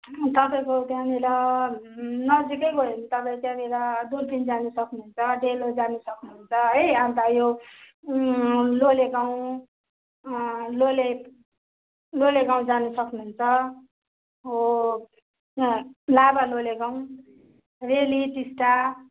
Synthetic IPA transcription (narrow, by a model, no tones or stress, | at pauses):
t̪ʌpaĩkot̪jãniɾʌ | nʌd͡zikʌkoɦenit̪ʌpaĩkãniɾʌd̪urpind͡zanusʌknuunt͡sʰʌɖelod͡zanusʌknuɦunt͡sʰʌʌamt̪ajo | loleɡaw̃ | lole | loleɡaw̃d͡zanusʌknuɦunt͡sʰʌ | o | labaloleɡaw̃ | reliʈisʈa